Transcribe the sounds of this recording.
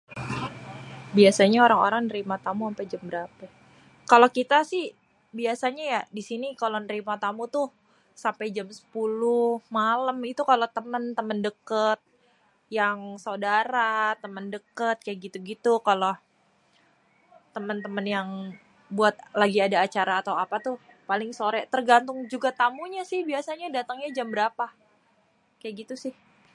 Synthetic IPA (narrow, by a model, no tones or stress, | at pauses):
biasaɲaoɾaŋo̰ɾaŋnəɾimat̪amuampad͡ʒambəɾapa | kalokit̪asɪh | biasaɲajadisinikalonəɾimat̪amut̪ʊh | sampajd͡ʒamsə̥pulʊhmaləmit̪ukalot̪əmənt̪əməndəkət̪̚ | jaŋsawdaɾat̪əməndəkət̪̚kajaʔɡit̪uɡit̪ukalo | t̪əmənt̪əmənjaŋ | buat̪̚laɡiadaːt͡ʃaɾaːt̪awapat̪ʊh | palɪŋsoɾɛt̪ərɡant̪ʊŋd͡ʒuɡat̪amuɲasɪhbiasaɲadat̪əŋɲad͡ʒambəɾapa | kajaʔɡit̪usɪh